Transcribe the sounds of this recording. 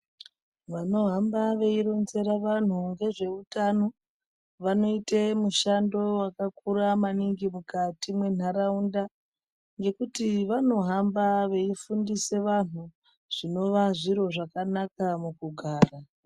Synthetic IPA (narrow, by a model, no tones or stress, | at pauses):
ʋano̞ɦambaʋe̞iɾo̞nze̞ɾaʋan̤uŋɡe̞ʐe̞utano̞ | ʋano̞itemuʃando̞wakakuɾamaniŋɡimukatimwe̞n̤aɾaunda | ŋɡe̞kutiʋano̞ɦambaʋe̞ifundise̞ʋan̤u | ʐ̥ino̞ʋaʐiɾo̞ʐakanakamukuɡʱaːra